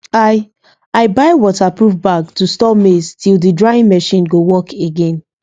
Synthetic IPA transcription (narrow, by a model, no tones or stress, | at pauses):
aɪ | aɪbaɪwɔtapɹuvbak̚tustɔpmestʰilˠdidɹaĩnmɛʃĩnɡowɔkʰeɡẽn